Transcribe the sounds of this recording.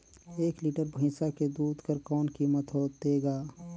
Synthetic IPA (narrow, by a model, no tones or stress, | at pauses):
eːkliːʈəɾbʱɪ̃ːsaked̪uːd̪ʱkəɾkɔːnkiːmət̪ɦoːt̪eːɡaː